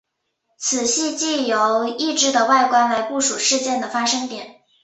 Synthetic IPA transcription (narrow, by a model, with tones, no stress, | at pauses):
t͡sʰɹ̩˨˩ɕi˥˧t͡ɕi˥˩jo˧˩˥ʊi˥˩ʈ͡ʂɻ̩˥˩d̪ə˨wa˥˩ɪkwa˥ɪla˧˥ɪpu˥˩ʂu˨˩ʂɻ̩˥˧t͡ɕjɛ˥˩nd̪ə˩fa˥ʂɤ˥ŋt̪jɛ˨˩˦n